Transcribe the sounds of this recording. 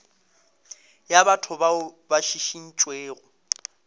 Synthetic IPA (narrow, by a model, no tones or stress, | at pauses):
jabatʰʊbaʊbaʃiʃin̩t͡ʃʼweːɣʊ